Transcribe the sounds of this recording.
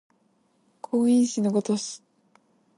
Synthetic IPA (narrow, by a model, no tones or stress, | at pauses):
kʰoːĩɕinoɡot̪osi̥